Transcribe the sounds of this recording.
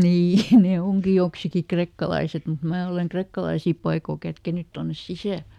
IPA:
niː ne oŋki joksiki krekːɑlɑiset mut mæː oleŋ krekːɑlɑisiˑ pɑikoˑ kætkenyt tonːes sisæˑl

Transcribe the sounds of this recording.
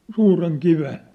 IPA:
suːreŋ kiʋen

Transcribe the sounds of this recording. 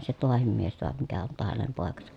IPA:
se toɑhim mies toɑ mikæ on toɑ hænem poˑekɑsɑ̥

